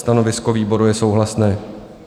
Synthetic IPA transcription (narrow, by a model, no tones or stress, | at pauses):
st̪ano̞vɪsko̞viːbo̞ɾujɛso̞wɦlasnɛː